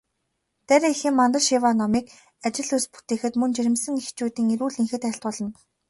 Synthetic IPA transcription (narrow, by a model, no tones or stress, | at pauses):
t̪æɾʲiexiːmːant̪ə̆rʃiwaːnɔmiːk | at͡ɕɪ̆ɮuspu̥t̪eːxɘ̆t̪mɵnt͡ɕiɾɘ̆msɘ̆ŋext͡ɕuːt̪iːŋiɾuːɮiŋxɘ̆t̪æɬt̪ʊːɮɞ̆n